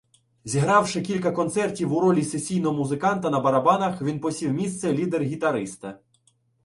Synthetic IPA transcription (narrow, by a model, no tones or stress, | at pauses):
zʲiɦɾɑwʃɪkʲilʲkɐkɔnt̪sɛrtʲiwʊɾɔlʲisesʲijnɔɦɔmuzɪkɑnt̪ɐnɐbɐɾɐbɑnɐxʋʲinpɔsʲiwmʲist̪sɛlʲid̪erɦʲit̪ɐɾɪst̪ɐ